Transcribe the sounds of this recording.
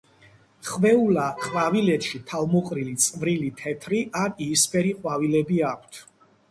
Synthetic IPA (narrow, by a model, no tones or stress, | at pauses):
χvɛulaχʼwavilɛt̪ʃit̪ʰalˠmɔqʼɾilit̪sʼvɾilit̪ʰɛt̪ʰɾiʔaniːspʼɛɾiqʼwavilɛbiakʷʰt̪ʰ